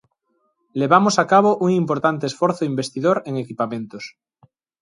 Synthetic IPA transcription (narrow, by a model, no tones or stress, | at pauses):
leβamosakaβ̞oʔuŋimpoɾt̪ant̪esfoɾθoimbe̞st̪iðoɾeŋekipamẽnt̪os